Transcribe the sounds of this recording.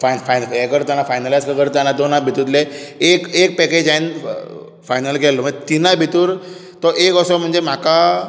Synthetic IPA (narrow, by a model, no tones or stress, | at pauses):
fanfajnekəɾt̪anafajnəlajskəɡəɾt̪anad̪onabʱit̪ut̪leekek̚pɛked͡ʑain | fajnəlkɛlːɔm̤əɳd͡zd͡ʑet̪inabʱit̪uːɾ | t̪ɔʔekəsɔm̤əɳd͡zem̤aka